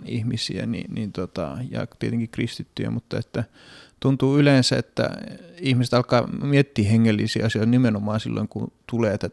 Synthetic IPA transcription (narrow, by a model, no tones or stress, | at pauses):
ihmisḭæ̰nḭnint̪ot̪ɑ̰jɑ̰t̪iet̪eŋkikrist̪it̪ːyjæ̰mut̪ːɑet̪ːæ | t̪unt̪uːyleːnsæḛt̪ːæ̰ihmise̥t̪ɑlkɑːmiet̪ːiːheŋːelːisḭːɑsjoˑit̪nimenomɑːnsilːo̰iŋkut̪uleːt̪æ